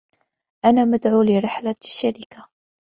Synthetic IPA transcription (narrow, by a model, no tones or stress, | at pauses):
ʔænæməd̪ʕulɪɾˤɪħlḁʃːaɾɪka